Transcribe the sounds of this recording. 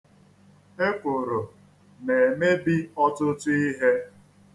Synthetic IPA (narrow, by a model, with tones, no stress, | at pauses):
e˦kʊ˨ɾo˨ | ne˨e˨me˦bi˦ɔ˦tʊ˦tʊ˦i˦ɦe˦